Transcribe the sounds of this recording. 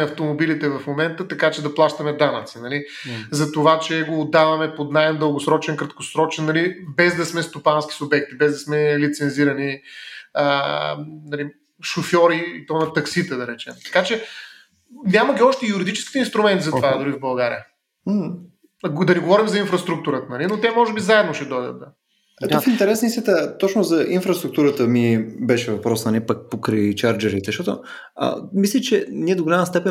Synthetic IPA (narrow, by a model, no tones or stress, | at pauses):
ɛɐft̪omobilit̪ɛvɐfmomɛnt̪ət̪ɐkat͡ʃɛd̪ɐplˠaʃt̪ɐmɛd̪anət̪sinɐli | zɐt̪ovat͡ʃɛɡoːd̪ːavɐmɛpod̪najnd̪əlˠɡosɾɔt͡ʃɛnkɾət̪kosɾɔt͡ʃɛnːɐlibɛzd̪ɐsmɛst̪opanski̥sʊbɛk̚t̪ibɛzd̪ɐsmɛlit̪sɛnziɾɐni | ə | nɐli | ʃofʲjɔɾiːt̪ɔnɐt̪ɐksit̪əd̪ɐɾɛt͡ʃɛmt̪ɐ̥kat͡ʃɛ | nʲaməɡʲiɔʃt̪ɛjuɾid̪it͡ʃɛ̥ski̥t̪ɛinst̪ɾʊmɛnt̪izɐt̪vad̪ʊɾivbɐlˠɡaɾḭə | ɡd̪ɐniɡovɔɾimzɐinfɾəst̪ɾuk̚t̪uɾət̪ənɐlinot̪ɛmɔʒɛbizaɛd̪noʃɛd̪ɔjd̪ə̰t̪̚d̪ɐ | ɛofint̪ɛɾɛsnəist̪ʲət̪ət̪ɔt͡ʃnʊzɐʔinfɾɐst̪ɾʊkt̪uɾət̪əmibɛʃɛvɐpɾɔsnɐnʲɛpək̚pokɾijt͡ʃaɾd͡ʒɛɾit̪ɛʃt̪ɔt̪o | ə̰mislʲɛt͡ʃɛniɛd̪oɡolʲaməst̪ɛpɛn